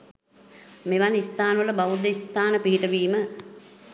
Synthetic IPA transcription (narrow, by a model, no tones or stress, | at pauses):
meʋanist̪aːnʋələbaʋud̪əist̪aːnəpiɦiʈəʋiːmə